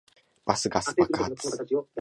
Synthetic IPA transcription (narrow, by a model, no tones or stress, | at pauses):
b̥asɨɡasɨ̥pakat͡s